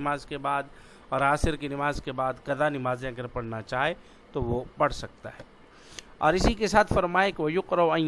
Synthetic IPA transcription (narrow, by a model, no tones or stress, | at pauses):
maːzkebaːd̪ | ɔːɾaːsɪɾkinɪmaːzkebaːd̪kɐd̪anɪmaːzãɡəɾpɐɽnat͡ʃaːɦe | t̪oʋopɐɽsɐk̚t̪a̰ɦɛː | ɔ̰ːɾɪsikesaːt̪ʰfɐɾmaːɪkʋɐjʊqɾɐʋɐ̃